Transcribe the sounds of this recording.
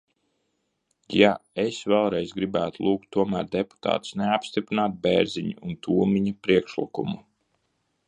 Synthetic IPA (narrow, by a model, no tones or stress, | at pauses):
jaesvɛlˠɾɛjzɡɾibæːt̪ulˠuːk̚t̪ːuɔmæ̰ːɾd̪epu̥t̪a̰ːt̪u̥sneapst̪ipɾinaːt̪̚beːɾziɲṵunt̪ʰuːɔmiɲapɾiɛkʃlḭkumu